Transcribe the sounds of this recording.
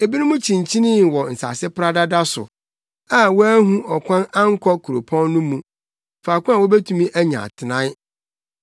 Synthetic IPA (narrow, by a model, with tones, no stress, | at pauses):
e˨bi˦nʊ̃˦mũ˦t͡ɕʰĩ˨n˨t͡ɕʰi˦nɪ̃˦˨wɔ˨n̩˨sa̰˨sɪ˦pɾa˦da˦da˦sʊ̰˨ | a˦wɔ˦æ˦ɦũ˦ʔɔ˨kʰʷã˦nã˦ŋ̩˦kʰɔ˦kʰu˨ɾo˨pʰɔ̃˦nːʊ̃˦mũ˨ | faː˨kʷʊ̃˦ã˨wɔ˦be˦tʰũ˦mĩ˦ʔæ˦ɲã̰˨tʰɪ˨nã˦